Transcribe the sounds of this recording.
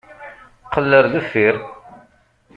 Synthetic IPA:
qəlːəɾðufiɾ

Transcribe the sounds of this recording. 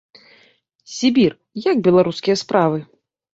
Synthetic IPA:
sʲibʲir | jaɡ̚bʲɛlˠaɾuskʲijɐspɾavɨ

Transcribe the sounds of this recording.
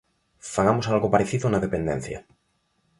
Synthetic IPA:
faɣamosalɣopaɾeθiðonaðepend̪ɛ̰n̟θja̰

